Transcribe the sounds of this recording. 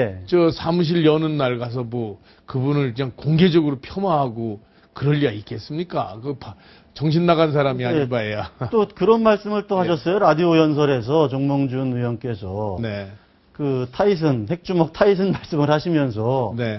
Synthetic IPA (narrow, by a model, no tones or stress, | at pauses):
je̞t͡ɕʌsʰamuɕ̬ʰiʎjʌnɯnːaɭɡas̬ʰʌmwʌ | kɯbunɯɭkɯɲaŋkoŋɡe̞d͡ʑʌɡɯɾopʰjʌmwaɦaɡo | kɯɾʌʎːiɡaik͈ʰe̞s͈ɯmɲik͈a̰kɯpa | t͡ɕʌŋɕ̬ʰinːaɡans̬ʰaɾamiaibaejat͈okɯɾʌnmaɭs͈ɯmɯɭt͈ohaɕʰʌs͈ʌjoɾadiojʌns̬ʰʌɾe̞s̬ʰʌt͡ɕʌŋmʌŋd͡ʑunujʌnk͈e̞sʰʌne̞ | kɯtʰais̬ʰɯnhe̞k̚t͡ɕ͈umʌk̚tʰais̬ʰɯnmaɭs͈ɯmɯɭɦhaɕʰimjʌns̬ʰʌne̞